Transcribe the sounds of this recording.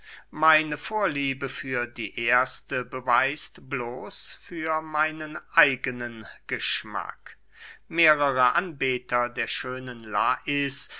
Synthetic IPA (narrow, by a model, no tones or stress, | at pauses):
maɪnəfoːɐliːbəfyːɐdiːʔeːɐstəbəvaɪstbloːsfyːɐmaɪnənʔaɪɡənənɡ̥əʃma̰k | meːʁəʁəʔanbeːtɐdeːɐʃøːnənlaːʔɪs